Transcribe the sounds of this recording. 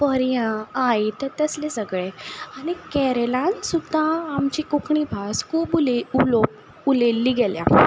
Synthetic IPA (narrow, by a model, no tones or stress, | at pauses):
pəɾjãajt̪et̪əslesəɡɭeanikɛɾelãnsud̪ʱːãamt͡ɕikukʰɳibʱaskuːbululo | ulelːiːɡɛljã